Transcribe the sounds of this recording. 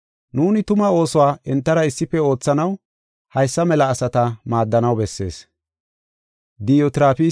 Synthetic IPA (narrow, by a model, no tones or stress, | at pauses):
nuːnɪt̪ʊmɐo̞ːsɔwaːʔɛnt̪ːɐɾɐɪsːɪpːɛo̞ːt͡sːɐnɐw | hɐjsːɐmɛlɐːsɐt̪ɐmaːd̪ːɐnɐwbɛsːe̞̰ːs | d̪ɪjot̪ɪɾaːfi